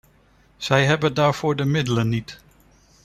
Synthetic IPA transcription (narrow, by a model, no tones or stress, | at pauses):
z̥ɛjɦɛbəndaːɹv̥ʊːɹdəmɪdələnːit